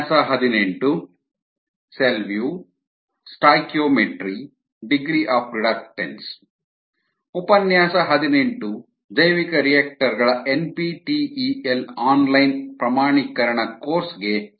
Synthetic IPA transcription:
sɐɦɐd̪ineɳʈu | selʋjuː | sʈaːjkjoːmeʈɾi | ɖiɡɾiʔaːpɾiɽɐkʈḛns | upɐnjaːsɐɦɐd̪ine̞ɳʈu | d̪ɐjʋikɐɾijaːk̚ʈɐɾɡɐɭɐʔenpiʈiielaːnlɐjnpɾɐmaːɳikɐɾɐɳɐkoːɾsɡe

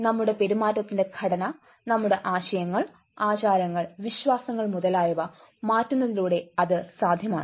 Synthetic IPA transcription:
nɐmːuɽe̞pe̞ɾumaːtːɐt̪ːinde̞ɡʰʱɐɽɐnɐ | nɐmːuɽe̞ʔaːɕɐjɐŋːɐɭ | aːt͡ɕaːɾɐŋːɐɭʋiɕʋaːsɐŋːɐɭmuðɐlaːjuʋɐ | maːtːunːɐðiluːɽe̞ɐðɨsaːd̪ʱjɐmaːɳɨ

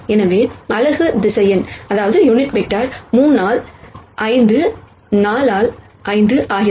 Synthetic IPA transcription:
ɛnɐʋeːɐlɐɣɯd̪ɪsɐjɐnɐðaːʋɐðɯjʊnɪʈbɛʈːaːɾmuːnːaːlʔɐɪnd̪ɯ | naːlaːl | ʔɐɪnd̪ɯʔaːɣɪɾ

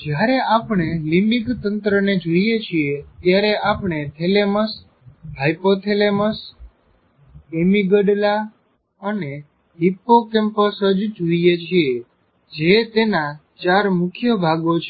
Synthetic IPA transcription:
d͡ʒjaɾeʔapɳ̃elĩmbikt̪ənt̪ɾəned͡ʒoijet͡ʃʰiet̪jaɾeʔapɳet̪ʰeleməs | ɦajpot̪ʰeleməs | emiɡəɖla | əne | ɦipːokɛmpəsəd͡ʒd͡ʒoijet͡ʃʰie | d͡ʒet̪ena | t͡ʃaɾmʊkʰjəbʱaɡot͡ʃʰ

